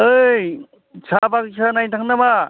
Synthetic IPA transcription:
ɯj | sʰabaksʰanajtʰaŋnaba

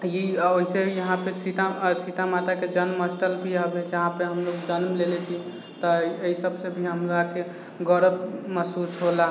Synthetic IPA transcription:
jioɦisejəɦãpesit̪asit̪amat̪aked͡ʒənməsʈəlbʱiɦəbet͡ʃʰɦãpeɦəmloɡd͡ʒənmlelɛt͡ʃʰi | t̪ɔeisəbsebʱiɦəmloake | ɡəɾəbməsusɦola

